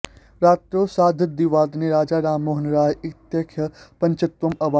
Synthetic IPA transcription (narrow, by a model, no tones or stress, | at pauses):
ɾaːt̪ɾoːsaːd̪ʱəd̪iʋaːd̪neɾaːd͡ʒaːɾaːmːoɦənɾaːjɪt̪jɐkʰjɐpɐ̃ɲt͡ʃɐt̪ʋɐmɐʋaː